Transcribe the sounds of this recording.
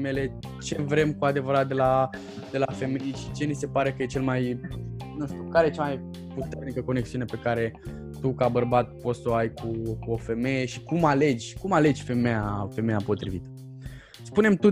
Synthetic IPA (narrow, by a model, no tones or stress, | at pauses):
mele̞ | t͡ʃe̞vɾe̞mkuad̪e̞vəɾat̪̚d̪e̞la | d̪e̞lafe̞mejʃi̥t͡ʃe̞nise̞paɾe̞kəje̞t͡ʃe̞lmajnuʃt̪ukaɾejet͡ʃamaj | put̪e̞rnikəko̞ne̞ksiune̞pe̞kaɾe̞ | t̪ukabərbat̪̚po̞t̪ssoajkʰukuofe̞me̞je̞ʃikumale̞d͡ʒʲkumale̞d͡ʒʲfe̞mejafe̞me̞japo̞t̪ɾḭvḭt̪ə̥ | spune̞mt̪u